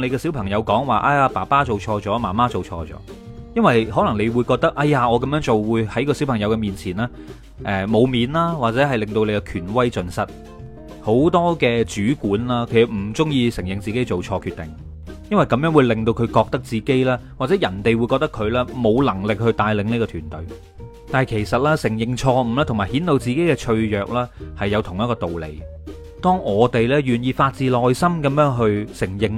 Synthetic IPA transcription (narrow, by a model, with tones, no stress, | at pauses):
ne˨˧jkɛː˧si˨˥wpʰɐ˨˩ŋjɐ˨˧wkɔː˨˥ŋwaː˨ʔaː˧jaː˧pa̰ː˨˩paː˥t͡so˨wt͡ʃʰɔː˧t͡sɔː˨˥ma̰ː˨˩maː˥t͡so˨wt͡ʃʰɔ̰ː˧t͡sɔ̰ː˨˥ | jɐ˥nwɐ˨jɦɔ˨˥lɐ˨˩ŋne˨˧jwuː˨˧jkɔː˧k̚t̪ɐ˥k̚ʔɐ˧˩jaː˨ŋɔː˨˧kɐ˨mjœː˨˥ŋt͡so˨wwuː˨˧jhɐ˨˥jkɔː˧si˨˥wpʰɐ˨˩ŋjɐ˨˧wkɛ˧miː˨nt͡sʰiː˨˩nlaː˥ | ʔɛ˨˧mo˨˧wmiː˨˧nlaː˥waː˨k̚t͡sɛː˨˥hɐ˨jlɪ˨ŋt̪o˧wle˨˧jkɛ˧kʰyː˨˩nwɐ˥jt͡sɵ˧nsɐ˥t̚ | ho˨˥wt̪ɔː˥kɛː˧t͡syː˨˥kuː˨˥nlaː˥kʰe˨˩sɐ˨m̩˨˩t͡sʊ˥ŋjiː˧sɪ˨˩ŋjɪ˨ŋt͡siː˨ke˥jt͡so˨wt͡ʃʰɔː˧kʰyː˧t̪ɪ̰˨˩ŋ | jɐ˥nwɐ˨jkɐ˧mjœː˥ŋwu˨˧jlɪ˨ŋt̪o˧wkʰɵ˨˧ɥkɔː˧k̚t̪ɐ˥k̚t͡siː˨ke˥jlaː˥waː˨t͡sɛː˨˥jɐ˨˩nt̪e˨jwu˨˧jkɔː˧k̚t̪ɐ˥kʰɵ˨˧ɥlɛː˥mo˨˧wlɐ˨˩ŋlɪ˨k̚hɵ˧ɥt̪aː˧jlɪ˨˧ŋni˥kɔː˧t̪ʰyː˨˩nt̪ɵ˨˧ɥ | t̪aː˨jkʰe˨˩jsɐ˨t̚laː˥sɪ˨˩ŋjɪ˨ŋt͡ʃʰɔː˧m̩˨˩lɛː˥t̪ʰŋmaː˨˩jhiː˨˥nt̪o˧wt͡siː˨ke˨˥jkɛː˧t͡ʃʰɵ˧ɥjœː˨k̚lɛː˥hɐ˨jːɐ˨˧wt̪ʰʊ˨ŋjɐ˥t̚kɔː˧t̪o˨wlḛ˨˩j | t̪ɔː˥ŋʔɔː˨˧t̪e˨jlɛː˥ɥyː˨njiː˧faː˧t̚t͡siː˨lɔː˨jsɐ˥mkɐ˨˧mjœː˥ŋɦɵ˧ɥsɪ˨˩ŋjɪ˨ŋ